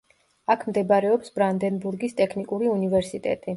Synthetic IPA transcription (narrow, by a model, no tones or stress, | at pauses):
akʰmd̪ɛbaɾɛɔpsb̥ɾand̪ɛnbuɾɡist̪ʼɛkʰnikʼuɾiunivɛɾsit̪ʼɛ̰t̪ʼi